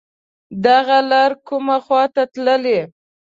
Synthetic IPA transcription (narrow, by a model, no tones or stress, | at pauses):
d̪aɣalaɾkʊmaxwɑt̪at̪ləle